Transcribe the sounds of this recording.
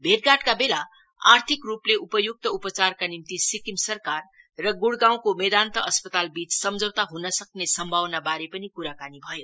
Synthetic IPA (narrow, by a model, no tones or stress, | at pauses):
bʱeɾɡaʈkabela | art̪ʰikrupleʔupʌjuk̚t̪ʌupʌt͡sarkanimt̪isikimsʌrkarː | ʌɡuɽɡãw̃komed̪ant̪ʌʔʌspʌt̪albit͡ssʌmd͡zʱʌwt̪aɦunʌsʌknesʌmbʱawnabaɾepʌnikuɾakanibʱʌjo